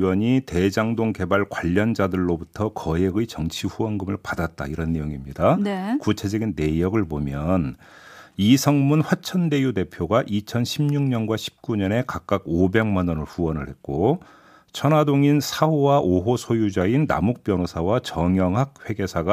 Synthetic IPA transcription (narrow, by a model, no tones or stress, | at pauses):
wʌɲite̞d͡ʑaŋdoŋke̞baɭkwaʎːʌnd͡ʑadɯɭːobutʰʌkʌjeɡɯt͡ɕʌŋt͡ɕʰiɸuʌnɡɯmɯɭpadat̚t͈a̰iɾʌnːe̞joŋimɲidakut͡ɕʰe̞d͡ʑʌɡinːe̞jʌɡɯɭbomjʌn | isʰʌŋmunɸwat͡ɕʰʌnde̞jude̞pʰjoɡaʔit͡ɕʰʌnɕʰimɲuŋɲʌnɡwaɕʰi̥p̚k͈uɲʌne̞kak̚k͈aɡ̚obe̞ŋmanʌnɯɭɸuwʌnɯɭhe̞t̚k͈o | t͡ɕʰʌnadoŋinsʰaowaʔoɦosʰojud͡ʑainːa̰muk̚p͈jʌnosʰawat͡ɕʌŋjʌŋɦak̚ɸwe̞ɡe̞sʰaɡa